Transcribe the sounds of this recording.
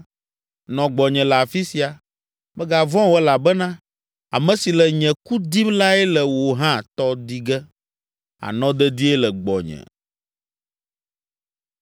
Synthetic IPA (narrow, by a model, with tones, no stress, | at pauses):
nɔ̃˨ɡ͡bɔ˨ɲɛ̃˨la˨fi˦si˨a˨ | mɛ˦ɡa˨vɔ̃˦wɛ˦la˨bɛ˦nã˦ | a̰˨mɛ̃˨si˨lɛ˨ɲɛ̃˨ku˦d̪i˦mla˦ɛ˦lɛ˨wo˨ɦã˦t̪ɔ˦d̪i˦ɡɛ˦ | a̰˨nɔ̃˦d̪ɛ˦d̪i˦ɛ˦lɛ˨ɡ͡bɔ̰˨ɲɛ̰̃˨